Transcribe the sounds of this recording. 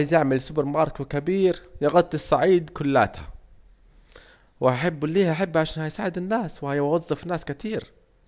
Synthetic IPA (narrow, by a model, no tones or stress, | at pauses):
jzaʕmɪlsʊbɪɾmɑːɾˤkwkabiːɾjɪɣɑt̪ˤːɨsˤːɑʕiːd̪kʊlːaːt̪ha̰ | waħabːliːhaħabːʕaʃaːnhajsaːʕɪd̪ɪnːaːswhajwɑzˤːɨfnːaːskɪt̪iːɾ